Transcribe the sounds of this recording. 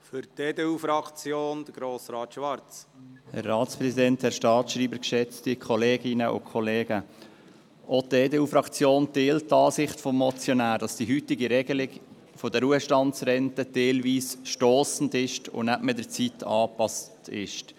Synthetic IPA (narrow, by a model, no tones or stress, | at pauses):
fʏɾteːdeːuːfɾɑkt͡sjoːnd̥əɡ̥ɾoːsɾɑːt̪ʃʋɑɾt͡shɛ̰ɾːɑːtspɾɛsidɛnthɛɾʃtɑːtʃɾiːbəɾkʃɛt͡stikʰɔleːɡɪnəʔʊ̰kʰɔleːɡə | ʔoteːdeːuːfɾɑkt͡sjoːnteːlttːɑːsɪχtfɔmːɔt͡sjɔnæːɾd̥ɑsd̥iɦytɪɡiɾɛɡəlɪɡ | fɔdəɾuəʃtɑntsɾɛntədɛlʋiːsʃtoːsn̩dɪʃtʊ̰næpmɪdət͡sitʰɑːpɑstɪʃt